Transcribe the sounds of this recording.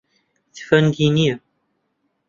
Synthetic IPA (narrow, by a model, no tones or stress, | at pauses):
θfænd̪ini